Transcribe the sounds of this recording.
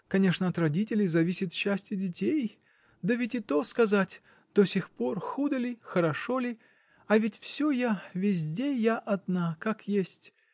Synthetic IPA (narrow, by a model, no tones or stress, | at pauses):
kɐnʲeʂnəɐt̪rɐdʲitʲɪlʲɪjzɐvʲisʲɪt̪ɕːæsʲtʲjʊdʲɪtʲej | d̪əvʲɪtʲɪt̪o̞skɐzatʲ | d̪̥osʲɪxpo̞rxud̪əlʲɪxəɾɐʂolʲɪ | ɐvʲɪtʲfsʲojavʲɪzʲdʲejaʔɐd̪nakakjesʲtʲ